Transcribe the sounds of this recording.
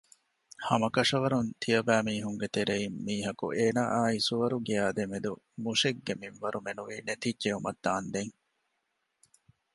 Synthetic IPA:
hɐmɐkɐʂɐʋɐɾunt̪ʰijɐbæːmiːɦuŋɡet̪eɾeimːiːɦɐkṵʔeːnaːʔaːisuʋɐɾuɡiaːd̪emed̪u | muʂeɡːemiʋʋɐɾumenuʋiːnet̪idʒeɦumɐd̪̥ːaːnd̪eŋ

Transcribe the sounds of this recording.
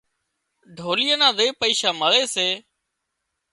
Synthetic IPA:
ɖʱoːlɪjənãːd̪eːpəiːʃaːməleːseː

